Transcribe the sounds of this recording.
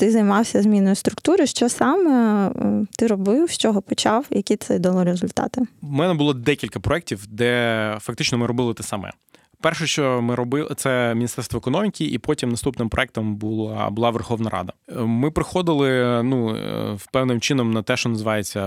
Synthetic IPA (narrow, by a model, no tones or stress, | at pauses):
t̪ɪzɐjmɑwsʲɐzmʲinɔjʊst̪ɾʊkt̪uɾɔjʃt͡ʃɔsɑmɛ | t̪ɪɾɔbɪwʃt͡ʃɔɦɔpɔt͡ʃɑwjɐkʲit̪sɛd̪ɐlˠɔɾʲezʊlʲt̪ɑ̰t̪ɪmɛnɛbʊlˠɔd̪ɛkʲilʲkɐpɾɔɛk̚tʲiwd̪ɛfɐk̚t̪ɪt͡ʃnɔmɪɾɔbɪlˠɪt̪ɛsɐmɛ̰ | pɛrʃɛʃt͡ʃɔmɪɾɔbɪt̪sɛmʲnʲist̪ɛrst̪ʋɔɛkɔnɔmʲikʲiʔipɔtʲimnɐst̪upnɪmpɾɔ̰ɛk̚t̪ɔmbulˠɑ̰bʊlˠɑʋerxɔʋnɐɾʔɑ̰d̪ɐmɪpɾɪxɔd̪ɪlˠɪnupɛwnɪmt͡ʃɪnɔmnɐt̪ɛʃt͡ʃɔnɐzɪʋɑjet͡sʲːɐ